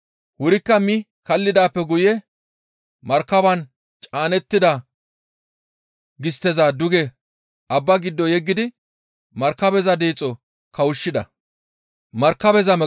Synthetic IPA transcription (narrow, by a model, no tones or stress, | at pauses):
hʊɾɪkːɐmɪ | kɐlːɪd̪aːpːɛɡʊjɛ | mɐɾkːɐbɐn | t͡ʃʼaːnɛt̪ːɪd̪a | ɡɪst̪ːɛzad̪ʊɡɛ | ʔɐbːɐɡɪd̪ːɔjɛɡːɪd̪ɪ | mɐɾkːɐbɛzɐd̪eːt͡sʼːɔ | kɐwʊʃːɪd̪ɐ̰ | mɐɾkːɐbɛzɐmɛ